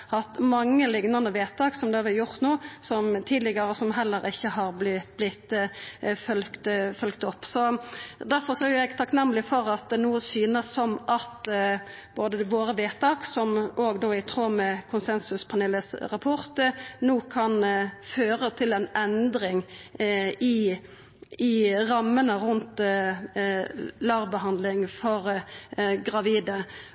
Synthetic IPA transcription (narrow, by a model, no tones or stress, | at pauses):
hɑt̪mɑŋːəlɪŋnɑnəʋeːt̪ʰɑːksɔmd̪ɛɑʋɛjʊʁt̪nuːsɔmt̪ʰiːd̪lɪɡɑɾəsɔmɦɛlːəɾɪçːəɦɑɾblɪblɪt̪ | fœlkt̪fœlkt̪ɔpːsɔd̪æɾfɔɾsɔæjʊjæɡt̪ʰɑknɛmːəlɪfɔɾɑt̪̚d̪ɛnuːəsyːnəsːɔmʔɑt̪ | b̥oːd̪əʋoːɾəʋeːt̪ʰɑːksɔmoːɡd̪oːɪt̪ʰɾoːmɛkʰʊnsɛnsʉspʰɑneːləsʁɑpʰʊɾt̪nuːkʰɑnføːɾət̪ʰɪlɛnɛnd̪ɾɪŋ | ɪ | ɪʁɑmːənəɾʉnt̪ | lɑʁbəɦɑnd̪lɪŋfɔɾ | ɡʁɑʋiːd̪ə